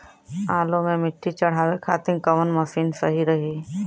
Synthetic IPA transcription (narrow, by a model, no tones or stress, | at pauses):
aːlõmẽmɪʈʰːit͡ʃɐɽ̤aːwekʰaːt̪ɪ̃ŋkɐʋənmɐsiːnsɐɦiɾɐɦiː